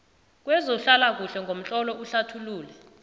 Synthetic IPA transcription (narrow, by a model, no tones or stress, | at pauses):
k̬wɛzoɬalak̬uɬɛŋɡʱom̩t͡ɬʼɔlɔʔuɬatʰuluːlɛ